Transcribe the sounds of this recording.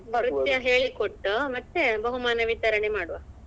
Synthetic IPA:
ɐɾut̪jɐɦeːɭikoʈːumɐt̪ːebɐɦumaːnɐʋit̪ɐɾɐɳemaːɽuʋa

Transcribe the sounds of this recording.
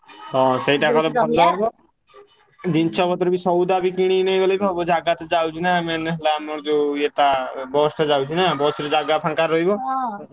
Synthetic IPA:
ɦɔ̃sejʈakɔlepɔlːɔɔbɔ | d͡ʒint͡ʃʰɔbɔt̪ɔɾbisɔwd̪abikiɽ̃inɔjbɔlɔbɔbɔd͡ʒaɡat̪ɔd͡ʒawt͡ʃʰinameneɦlamɔɾd͡ʒoet̪abɔsʈad͡ʒawt͡ʃʰinabɔsiɾɔd͡ʒaɡapʰaŋkaɾːɔɦibɔ

